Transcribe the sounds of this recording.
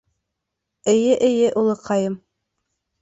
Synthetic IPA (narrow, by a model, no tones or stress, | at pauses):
ɘ̆jɘʔɘ̆jɘʔulˠɤqɑjɤm